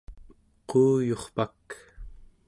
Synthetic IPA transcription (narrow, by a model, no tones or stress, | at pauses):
quːjo̞χpak